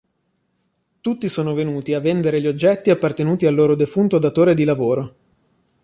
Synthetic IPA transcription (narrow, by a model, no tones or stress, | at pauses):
t̪ut̪ːisoːnovenuːt̪iavːend̪eɾeʎiod͡ʒːɛt̪ːiapːart̪enuːt̪ialːoːɾod̪efunt̪od̪at̪oːɾed̪ilavoːɾo